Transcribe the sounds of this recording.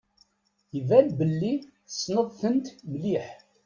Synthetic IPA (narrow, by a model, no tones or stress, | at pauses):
jəvælbəlːiθəsnəðˤθənt̪mliħ